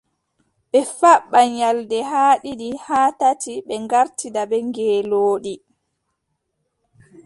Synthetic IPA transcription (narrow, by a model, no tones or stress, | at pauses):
ɓɛfaɓːaɲaldɛɦaːɗiɗihaːtatiɓɛŋɡaɾtidabɛŋɡɛːloːɗi